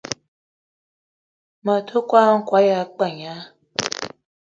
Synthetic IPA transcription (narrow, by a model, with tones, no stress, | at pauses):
mə˨t̪ʰu˦kwa˦ŋ̩˦kwa˨˦ja˨˦k͡pa˨ɲa˦